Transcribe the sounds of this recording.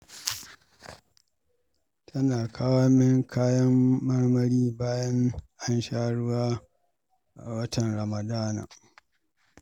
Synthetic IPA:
tʰɐ˦naː˨kʰaː˦wa˦mɪ˦ŋkʰaː˦jɐ˦mːɐ˦rmɐ˦ɽiː˦baː˦jɐ˦ŋʔa˦nʃaː˦ɽʊ˦waː˦ | ʔa˨wɐ˦tɐ˨nɾɐ˨mɐ˨daː˦na̰ː˨

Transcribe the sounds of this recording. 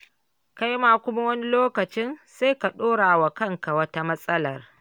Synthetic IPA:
ka˦jma˨kʷʊ˦ma˦wɐ˦ni˦loː˦kɐ˨t͡ʃɪ˦nsa˦jka˨ɗoː˦ɽaː˨wa˨kɐ˦ŋka˨wɐ˦ta˦mɐ˦sʼɐ˦lɐ˨r

